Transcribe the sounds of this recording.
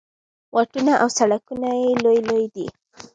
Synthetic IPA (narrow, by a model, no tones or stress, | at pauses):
wʔaʈunaʔawsaɽakunajelojlojd̪ḭ